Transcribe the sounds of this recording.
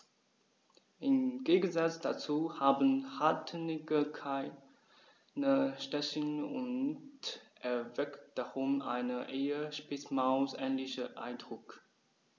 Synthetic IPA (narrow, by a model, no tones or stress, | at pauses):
ʔɪmɡ̥eːɡən̩zat͡sd̥at͡suːhaːbn̩hatʰnɪɡəkʰaɪ | nəʃtɛçənʊntʔɛɐvɛktd̥aʁʊmʔa̰ɪnəʔeːəʃpɪsmaʊsʔɛːnlɪçəʔa̰ɪndʁʊk